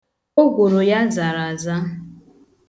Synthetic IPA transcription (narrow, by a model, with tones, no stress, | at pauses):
o˦ɡʷo˨ɾo˨ja˦za˨ɾa˨za˦